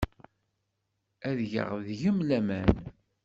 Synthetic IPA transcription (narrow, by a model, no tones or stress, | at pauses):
æðʝə̰ʁðʝəmlæmæn